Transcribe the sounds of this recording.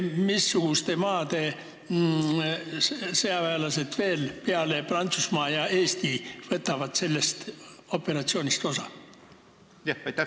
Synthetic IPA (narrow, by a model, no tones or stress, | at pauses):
misːuɡ̥ust̪e̞mɑːd̪̥e̞ | seɑvæelɑse̞t̪ve̞ːlpeɑle̞prɑnt̪susmɑːjɑe̞ːst̪ivɤt̪ːˑɑvɑt̪se̞lːe̞st̪opːe̞ɾɑt̪sio̞ːnʲist̪o̞sɑ | jjt̪æ